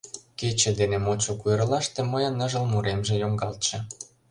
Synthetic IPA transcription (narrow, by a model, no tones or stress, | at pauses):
ket͡ɕĕd̪enemot͡ɕokujrlɑʃt̪ĕməjɑnə̆ʒə̆lmuɾemʒĕjoŋɡɑlt̪ʃĕ